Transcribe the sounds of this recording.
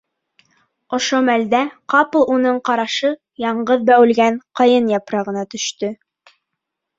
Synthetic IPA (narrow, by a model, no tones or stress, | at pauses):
ŏʃomæld̪æqɑpɤ̆lˠunɤɴqɑɾɑʃɤ | jɑɴɢɤðbæwɘ̆lɡæɴqɑjɤnjɑpɾɑʁɤ̆nɑt̪ɵ̆ʃt̪ɵ